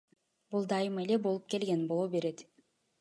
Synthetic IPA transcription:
bulˠd̪ɑjɯmelebo̞lˠup̚ke̞lɡenbo̞lˠobe̞ɾe̞d̪

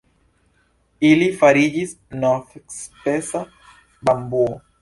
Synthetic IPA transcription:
ilifaɾid͡ʒis | nɔθekspesa | bambu

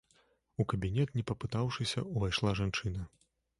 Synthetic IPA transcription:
ukɐbʲinʲɛt̪nʲɛpɐpɨt̪awʂɨsʲɐ̰uvajʂlˠaʐant͡ʂɨnɐ

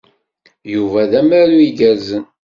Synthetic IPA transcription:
juvæðæmæɾuiɡæɾzən

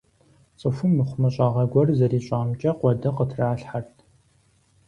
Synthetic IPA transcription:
t͡sʼɨfʊmːɨχʷʊmɐɕʼaːʁɐɡʷɔrzɐriːɕʼaːmt͡ʃʼɐqʷɔdɐqətʰraːɬħartʰ

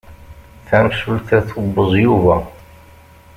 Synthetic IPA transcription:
θæmʃəlθæθubəzˤjuvæ

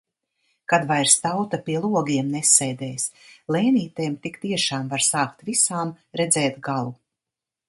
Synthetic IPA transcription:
kad̪vajɾst̪awt̪apiɛlˠuɔɡiɛmnɛsːɛjd̪ɛːjslˠeːniːt̪eːmt̪ikt̪iɛʃaːmvaɾsaːkt̪visaːm | ɾɛd̪zɛːt̪ɡalˠu

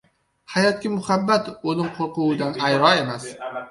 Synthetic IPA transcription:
hajɒt̪̚kʲamʊhabːat̪olɪmqʰoɾqʊwd̪anajɾɒe̞mas

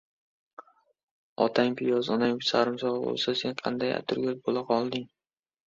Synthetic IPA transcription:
ɒ̰t̪ʰaŋpʰɪjɒzɒnaŋpɪsaɾɪmsɒʁɑbo̰lˠsase̞nqʰɑ̰nd̪aja̰t̪ʰʊɾɡʲabolaqʰɒlˠd̪ɪŋ

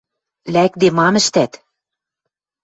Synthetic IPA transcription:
lækd̪emɑmɘ̆ʃt̪æt̪

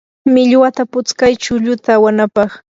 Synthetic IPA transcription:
mɪʎwat̪apʊt͡skajt͡ʃʊʎʊt̪aːwanapɑχ

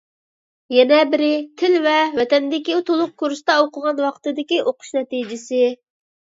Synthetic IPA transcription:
jɛnɛbɪɾɪt̪ʰɪlvɛvɛt̪ɛnd̪ɪkʲit̪ʰolˠʊq̚kʰuɾst̪ɑoqʰəʁɑnwɑqt̪ɨd̪ɪkʲiʔoqʰʊ̥ʃnɛt̪id͡ʒɪsɪ

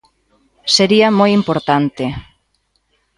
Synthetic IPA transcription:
seɾiɐmojimpoɾt̪ant̪e

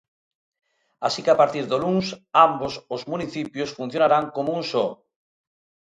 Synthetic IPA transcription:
asikeapaɾt̪iɾðoluŋsambosozmuniθipjosfun̟θjonaɾaŋkomounso

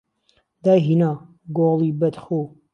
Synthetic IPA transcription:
d̪aːjɦinaː | ɡolˠibɐt̪χo

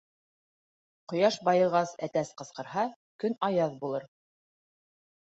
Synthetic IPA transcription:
qŏjɑʃbɑjɤ̆ʁɑsæt̪æsqɤ̆sqɤ̆ɾɦɑ | kɵnɑjɑðbulˠɤɾ

